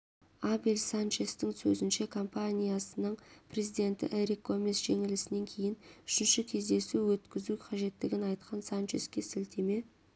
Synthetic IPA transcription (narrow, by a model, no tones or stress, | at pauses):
abelʲsant͡ʃest̪ɪŋsɵzɪnʃe̞kʰo̞mpanʲijasənəɴpre̞zid̪e̞nt̪ɪ̰ʔeɾikʰːo̞mʲesʒ̥e̞ŋɪlɪsɪne̞ŋkʲʰe̞jɪnʏʃɪnʃɪkʲʰe̞zd̪e̞suwɵt̪kʲɪzuqʰɑʒe̞t̪ːɪɡʲɪnɑjt̪qɑnsant͡ʃḛskʲe̞sɪlt̪ʰe̞me̞